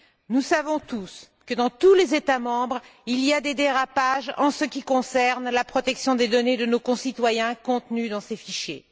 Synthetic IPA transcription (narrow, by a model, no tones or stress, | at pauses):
nusavɔ̃t̪us | kəd̪ɑ̃t̪ulezet̪amɑ̃bʁiliad̪ed̪eʁapaʒɑ̰̃səkʲikɔ̃sɛʁnlapχɔt̪ɛksjɔ̃d̪ed̪ɔned̪ənokɔ̃sit̪wajɛ̃kɔ̃t̪nyd̪ɑ̃sefiʃjḛ